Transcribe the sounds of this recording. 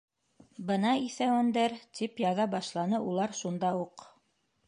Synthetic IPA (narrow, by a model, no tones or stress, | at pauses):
bɤnɑiθæwɘ̆nd̪æɾt̪ipjɑðɑbɑʃlˠɑnɤʔulˠɑɾʃund̪ɑuq